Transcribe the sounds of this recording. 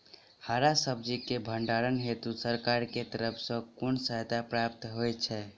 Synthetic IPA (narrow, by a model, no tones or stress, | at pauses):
haɾasəb̚d͡ʒikebʱəɳɖaɾənɦet̪usəɾkaɾket̪əɾəpʰsə̃kʊnsət̪apɾapt̪ɦojt͡ʃʰɛ